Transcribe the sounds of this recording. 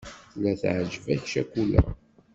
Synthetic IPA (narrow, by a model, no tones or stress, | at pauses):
θlːæθʕʒvæçʃækulæ̰